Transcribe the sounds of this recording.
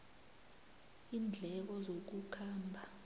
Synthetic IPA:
iːnd͡ɮʱɛkɔzok̬ukʰaːmbʱa

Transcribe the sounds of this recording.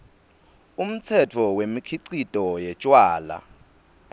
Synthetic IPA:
um̩t͡sʰɛtʰɔwemikʰiǀitʼɔjɛt͡ʃʼwaːla̰

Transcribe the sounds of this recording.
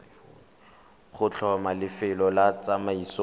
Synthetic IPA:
χʊt͡ɬʰɔmalɪfɪlɔlat͡samaiso

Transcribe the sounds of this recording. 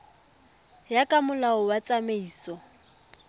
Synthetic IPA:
jakʼamʊlaʊwat͡sʼameiːsɔ

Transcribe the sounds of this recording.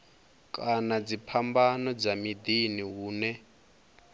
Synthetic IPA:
kʼanad͡zipʰambanɔd͡zamid̪iniɦuːnɛ

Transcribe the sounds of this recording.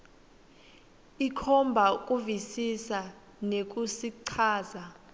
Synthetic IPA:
ikʰɔmbʱak̬ʼuvisisa | nek̬ʼusiǀʰaːza

